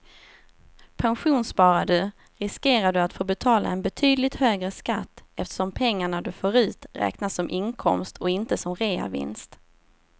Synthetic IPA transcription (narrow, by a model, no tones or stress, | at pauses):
pʰanɧuːnspɑːɾad̪ɵ | ɾɪskeːɾaɖɵat̪foːbɛt̪ʰɑːla̰ɛnbɛt̪ʰyːd̪lɪt̪høːɡɾəskat̪ːɛft̪ə̥ʂɔmpʰɛŋːaɳad̪ɵføːɾʉ̟ːt̪ɾɛ̰ːknasɔmʔɪŋkʰɔmst̪ʰɔɪnt̪əsɔmɾeːa̰vɪ̰nst̪